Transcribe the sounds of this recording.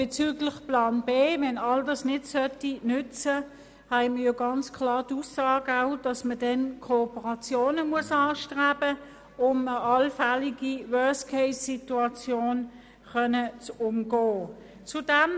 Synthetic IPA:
b̥et͡syːɡlɪχplɑːnbeːvɛnɑldɑsnɪtsœtinʏt͡sə | hæɪməjoɡɑnt͡skʰlɑːʁtusːɑːɡəaʊd̥ɑsmədɛnkʰoːpəʁɑt͡sjoːnəmuəsɑːʃtʁaːbə | ʊməʔɑlfaliɡ̥iwœɐskʰeɪsːituɑt͡sjoːn | χœnət͡sʊmɡoː | t͡sud̥ɛm

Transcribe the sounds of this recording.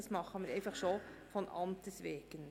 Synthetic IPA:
ɑsmɑχːəmɪɾeɪfɑχʃoːfɔnʔɑ̰mt̪əsʋeːɡ̥ən

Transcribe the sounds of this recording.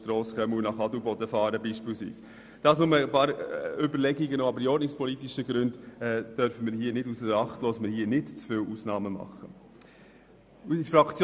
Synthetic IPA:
tɾɔːsχœməunɑχɑdubɔdəfɑːɾəbiːʃpiːlsvḭːs | d̥ɑːsnʊməpɑːɾʏbəɾlɛɡiɡənoːɑbəɾiɔɾdnɪkspʰɔlitiʃəɡɾʉndɛːd̥œɾfəməːɾhiːnɪdusəɾɑχtloːsməɾhiːnɪtt͡sfɪlʔuːsnɑːməmɑ̰χə | usfɾɑkt͡sj

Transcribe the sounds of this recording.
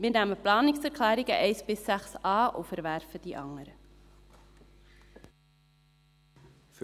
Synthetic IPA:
minæməplɑːnɪksfərklæːɾɪŋəʔɛjsbɪsæχsɑːʔɔfəɾværfədiʔɐ̰ŋəɾə

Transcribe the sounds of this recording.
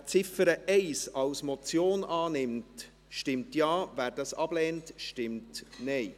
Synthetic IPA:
t͡sɪfəɾəʔɛɪsɑwsmɔt͡sjoːnʔɑːnɪmt | ʃtɪmtjɑːvæːɾd̥ɑsɑb̥lɛːntʃtɪmtnɛɪ

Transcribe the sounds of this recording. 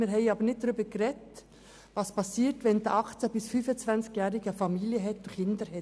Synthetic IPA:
mɪːɾɦɛɪɑːbəɾnɪt̚d̥aɾyːbəɡ̥ɾɛt | vɑspɑsiːtvɛnd̪əʔɑχt͡səbɪsfyːfənt͡svant͡skjɛːɾɪɡəfɑmiːljəɦɛtʊkɪndəɾhɛt

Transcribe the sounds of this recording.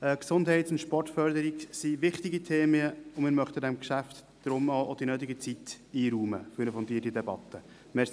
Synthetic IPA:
ɛksʊndɦɛɪtʊntʃpɔrtfœɾd̪əɾiksiʋɪχtiɡit̪ʰeːməəʊmɪːɾmœχt̪əd̪ɛmkʃæft̪ | d̥ɾʊmɔʔod̥̪inøːt̪̬ɪɡət͡sit̪ | iːɾuːmə̰fyɾnəfɔnt̪iətidɛbɑt̪ːə | mɛs

